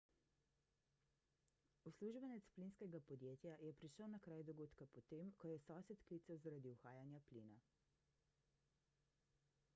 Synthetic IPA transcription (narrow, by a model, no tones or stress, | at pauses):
usluʒbɛnɛt̪splinskɛɡapɔd̪jeːt̪jajɛpɾiʃəwnakɾaːjd̪ɔɡoːt̪kapɔt̪emkɔjɛsɔːsɛt̪kliːt̪sɛwzaɾad̪iuxaːjanjapliːna